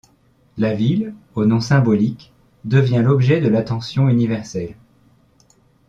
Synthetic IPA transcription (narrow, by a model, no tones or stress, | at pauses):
lavilonɔ̃sɛ̃bɔlik | d̪əvjɛ̃lɔbʒɛd̪əlat̪ɑ̃sjɔ̃ynivɛʁsɛl